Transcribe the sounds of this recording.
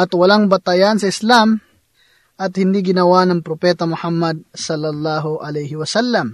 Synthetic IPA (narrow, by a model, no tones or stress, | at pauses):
ʔɐt̪wɐlaŋbɐt̪ɐjansɐɪslam | ʔɐt̪hɪnd̪iɡɪnɐwanɐŋpɾopɛːt̪ɐmʊhamːɐd̪̚sɐlːɐlːaːɦoʔɐlɛjhɪwɐsalːɐm